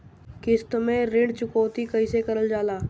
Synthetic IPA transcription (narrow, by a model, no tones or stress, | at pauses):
kɪst̪mẽɾɪ̃ɖt͡ʃʊkoːt̪ikɐisekɐɾəld͡ʒaːlaː